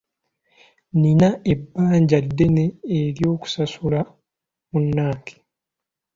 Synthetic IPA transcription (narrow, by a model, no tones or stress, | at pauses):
ninaʔe̞bːaːɲɟadːe̞ne̞ːɾjo̞ːku̥sasula | munːaːkʰe̥